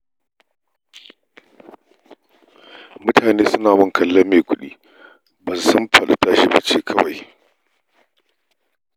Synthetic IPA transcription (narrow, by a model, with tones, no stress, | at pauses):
mʊ˦tʰaː˨neː˦sʊ˦naː˨mɔ˦ŋkʰɐ˨lːɐ˦meː˨kʷʊ˦ɗḭː˦ | bɐ˨nsʊ˦mɸɐ˨ɗa̰˨ta˦ʃi˦ba̰˦t͡ʃeː˦kʰɐ˦wa˨j